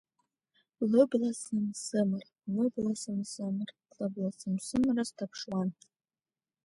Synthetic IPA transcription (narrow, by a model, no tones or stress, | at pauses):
lɨblasɨmsɨmɨr | lɨblasɨmzɨmɨr | lɨblasɨmsɨmɨrastʰapʰʂwan